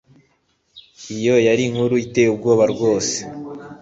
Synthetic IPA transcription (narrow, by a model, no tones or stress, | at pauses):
ijo̞jaɾiŋhuɾuite̞jub̚ɡo̞ːβaɾɡwo̞ːse̥